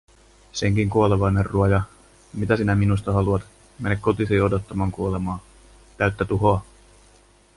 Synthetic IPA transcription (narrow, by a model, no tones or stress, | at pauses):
se̞ŋkiŋkuoleʋɑjnerːuojɑ | mit̪æsinæminust̪ɑhɑluɑt̪ | menekkːo̞t̪isiodot̪ːɑmɑːŋkuole̞mɑː | t̪æɥt̪ːæt̪uɦoɑ